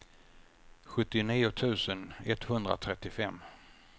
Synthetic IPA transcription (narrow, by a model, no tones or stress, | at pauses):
ɧɵt̪ːɪniːʊt̪ʰʉ̟ːsənɛt̪hɵnd̪ɾa̰t̪ʰɾɛt̪ːɪfɛmː